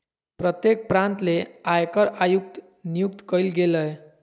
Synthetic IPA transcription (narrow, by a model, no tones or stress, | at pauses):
pɾət̪jek̚pɾant̪leajkəɾajuk̚t̪ | nijuk̚t̪kəjlɡeləj